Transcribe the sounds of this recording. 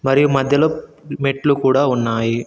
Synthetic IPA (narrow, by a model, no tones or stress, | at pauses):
mɐɾijumɐd̪ʱjɐlo | meʈlukuːɽaːunːaːji